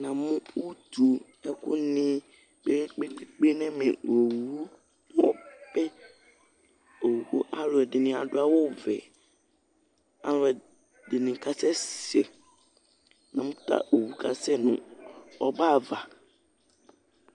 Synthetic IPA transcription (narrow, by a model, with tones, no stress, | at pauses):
nã˨mʊ̃˦wu˦tʰu˨ | ɛ˦kʊ̰˦nɪ̃˦ | be˦k͡pe˦k͡pe˦k͡pe˦nɛ̃˦mḭ̃˨wo˨wu˦ | mɔ̃˦pɛ˦ | o˨wko˦ʔa˦lʊ˨ɛ˨dɪ˨nɪ̃˨a̰˨dʊ˦a˦wʊ˦vɛ˨ | a̰˦lʊ˨ɛ˨ | dɪ˨nɪ̃˨ka˦sɛ˦sɛ˨ | nã˨mʊ̃˦ta̰˨o˨wu˨kʰa˨sɛ˦nʊ̰̃˨ɔ˦ba˦˨va˨